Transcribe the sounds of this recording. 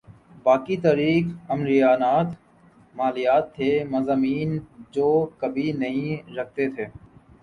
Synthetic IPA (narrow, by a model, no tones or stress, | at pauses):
baːkit̪aːɾiːkəmɾɪjaːnaːt̪ | maːlɪjaːt̪ʰːeːmɐzaːmiːnd͡ʒoːkəbʱinɐɦĩɾɐk̚ʰt̪et̪ʰeː